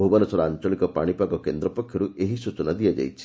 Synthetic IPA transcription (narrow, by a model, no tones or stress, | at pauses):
ubanɔsɔɾɔant͡ʃɔɭikɔpaɽ̃ipaɡɔkend̪ɾɔpɔkʰjɔɾueɦisut͡ʃɔnad̪ijad͡ʒa̰jt͡ʃʰi̥